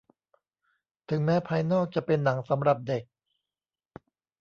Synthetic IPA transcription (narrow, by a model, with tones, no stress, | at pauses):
t̪ʰɯ˩˦ŋmɛː˦˥pʰaː˧jnɔː˥˩k̚t͡ɕa˨˩pe˧nːa˩˦ŋsa˩˦mɾa˨˩p̚de˨˩k̚